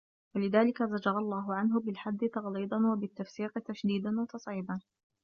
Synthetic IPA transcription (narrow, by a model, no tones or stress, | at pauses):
walɪðaːlɪkazad͡ʒɑɾˤɑlˤːɑːɦʊʕanɦʊbɪlħad̪ːɪt̪ɑɣliːd̪ˤɑnwabɪt̪ːafsiːqɪt̪aʃd̪iːd̪anwɑt̪ɑsˤʕiːban